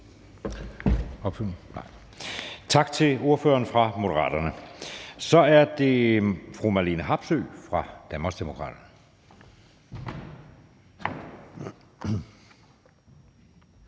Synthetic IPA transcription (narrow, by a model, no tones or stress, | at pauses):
ɒb̥fy | t͡sʰɑ̈ɡ̥t͡sʰe̝lo̝ɐfø̰ɐnfʁɑ̈mo̝d̥əʁɑ̰̈ːd̥ɐnəsɒ̽æɐd̥e̝fʁumɑliːnəɦɑ̈b̥sø̰ːfʁɑ̈d̥ænb̥ɐsd̥emokʰʁɑ̰̈ːd̥ɐn